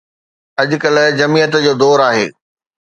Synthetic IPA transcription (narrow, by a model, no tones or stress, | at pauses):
ɐʄʊ̆kɐl̆d͡ʑɐmiːjət̪d͡ʑoːd̪ɔːɾaːɦḛː